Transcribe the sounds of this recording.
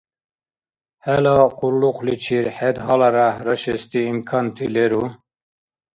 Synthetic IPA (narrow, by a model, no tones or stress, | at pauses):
hælɑqulːuqlit͡ʃʰiɾħed̪ɦɑlaɾahɾəʃest̪iimkʰɑnt̪ʰileɾu